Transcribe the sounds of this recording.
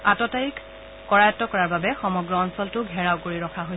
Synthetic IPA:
atɔtaɹik | kɔɹajɔtːɔkɔɹaɹbabɛxɔmɔɡɹɔɔnsɔltʊɡʱɛɹawkoɹiɹɔkʰaɦoj

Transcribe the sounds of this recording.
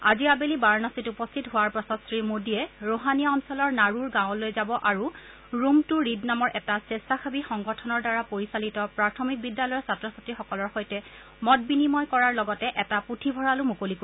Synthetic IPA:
aziabelibaɹnasitupɔstʰitɦʊwaɹpɹɔsɔstɹimodiɛɹoɦanijaɔnsɔlɔɹnaɹuɹɡãʊ̃lojzabɔʔaɹu | ɹumtʊɹidnamɔɹʔɛtasestaxʰabixɔŋɡɔtʰɔnɔɹdaɹapoɹisalitɔpɹaɹtʰɔmik̚bidːalɔjɔɹsatɹɔsatɹixɔkɔlɔɹxojtɛ | mɔt̚binimɔjkɔɹaɹlɔɡɔtɛʔɛtaputʰibʱɔɹalʊmukoliku

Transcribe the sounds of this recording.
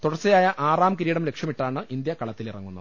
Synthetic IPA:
t̪uɽɐrt͡ɕːɐjaːjɐʔaːraːmkiɾiːɽɐmle̞kʂjɐmiʈːaːɳɨʔind̪jɐkɐɭɐt̪ːilirɐ̰ŋːunːɐ̰ðɨ

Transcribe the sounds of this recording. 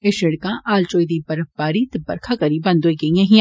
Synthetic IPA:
ɪʃɪɽkãʔaːlt͡ʃoːjd̪ibɐɾəfbaːɾit̪bɐ̰ɾkʰakɐɾibɐ̃nd̪oːiɡɐjɐ̃ɦĩ

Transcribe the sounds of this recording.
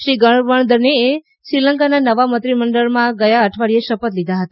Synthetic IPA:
ʃiɡəɳʋəɳd̪əɾnee | sɾiləŋkananəʋamət̪ɾiməɳɖəɭmãɡəjaəʈʰʋaɽieʃəpət̪lid̪ʱaɦət̪a

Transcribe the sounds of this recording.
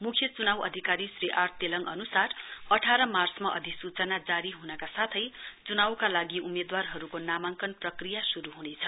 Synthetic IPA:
mukʰjʌt͡sunawʌ̰d̪ʱikaɾisriʔart̪ːelʌŋʌnusarʌʈʰaɾʌmarsmaʔʌd̪ʱisut͡sʌnad͡zaɾiɦunʌkasat̪ʰʌjt͡sunawkalaɡiumed̪warɦʌɾukonamaŋkʌnprʌkrijasuɾuɦunet͡sʰʌ

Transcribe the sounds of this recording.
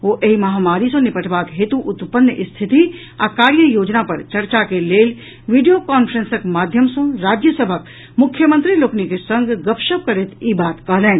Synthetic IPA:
ʋoːʔeɦimɐɦaːmaːɾisõnɪpəʈʰbaːkɦet̪uʔʊt̪pənːjəʔɪst̪ʰɪt̪i | akaːɾjəjoːd͡ʒnapɐɾt͡ʃɐɾt͡ʃakeleːl | ʋiɖijokaːnpʰɾə̃nsəkmaːd̪ʱjəmsõɾaːd͡ʒjəsəbʱək | mʊkʰːjəmə̃nt̪ɾiloːknikesɐ̃ŋɡɡɐpʃəp̚kɐɾet̪ibaːt̪kɐɦlẽːn

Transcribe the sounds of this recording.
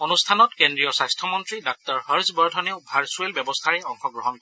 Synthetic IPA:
onustʰanɔtkendɹijɔsajstʰɔmɔntɹidak̚tɔɹhəɹsbɔɹdʰʱɔneʊbʱaɹsuelbjɛbɔstʰaɹɛɔŋxɔɡɹɔɦɔn

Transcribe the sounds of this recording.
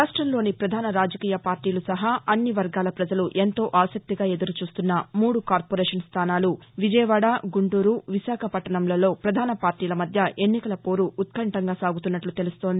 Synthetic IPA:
ɾaːʂʈɾɐmlo̞ːnipɾɐd̪ʱaːnɐɾaːd͡ʒɐkiːjɐpaːɾʈiːlusɐɦaːɐnːiʋɐɾɡaːlɐpɾɐd͡ʒɐluʔe̞nt̪o̞ːʔaːsɐk̚t̪iɡaːe̞d̪ɐɾut͡ʃuːst̪unːɐmuːɽukaːɾpoɾeːʂɐnst̪ʰaːnaːlu | ʋid͡ʒɐjʋaːɽaːɡuɳʈuːɾuʋiʃaːkʰɐpɐʈːɐɳɐmlɐlo̞ːpɾɐd̪ʱaːnɐpaːɾʈiːlɐmɐd̪ʱjɐʔe̞nːikɐlɐpo̞ːɾuːt̪̚kɐɳʈɐŋɡaːsaːɡut̪unːɐʈlut̪e̞lust̪ond̪ii

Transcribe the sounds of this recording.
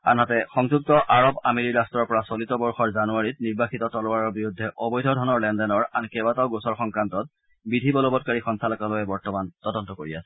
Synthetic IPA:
a̰nɦatɛxɔŋzuk̚tɔʔaɹɔbameɹiɹastɹɔɹpɔɹasolitɔbɔɹxɔɹzanuaɹit̚niɹbaxitɔtɔlɔwaɹɔɹbiɹudʱːɛʔɔbɔjdʱɔdʱɔnɔɹlɛndɛnɔɹankɛbataʊɡosɔɹxɔŋkɹantɔt̚ | bidʱibɔlɔbɔtkaɹixɔŋstʰalɔkalɔjɛbɔɹtɔmantɔdɔntɔkoɹiasɛ̥

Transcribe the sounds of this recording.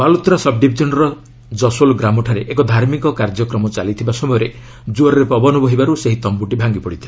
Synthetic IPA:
balut̪ɾasɔb̚ɖibʱid͡ʒɔnɔɾɔ | d͡ʒɔsolɡɾamɔʈʰaɾeʔekɔd̪ʱaɾmikɔkaɾd͡ʒɔkɾɔmɔt͡ʃalit̪ʰibasɔbɔjɔɾe | d͡ʒuɔɾɔɾepɔbɔnɔbɔɦibaɾuseɦit̪ɔmbuʈibʱaŋɡipɔɽit̪ʰia

